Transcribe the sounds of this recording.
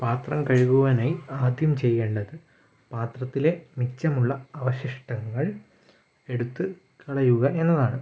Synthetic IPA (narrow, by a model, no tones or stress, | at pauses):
paːt̪rɐmkɐɻiɣuʋɐnaːjaːd̪ʱjɐmt͡ɕe̞jːe̞ːɳɖɐðɨ | paːt̪rɐt̪ːile̞mikt͡ɕɐmuɭːɐɐʋɐɕiʂʈɐŋːɐɭ | e̞ɽut̪ːɨ | kiɭɐjuɣɐʔe̞nːɐðaːɳɨ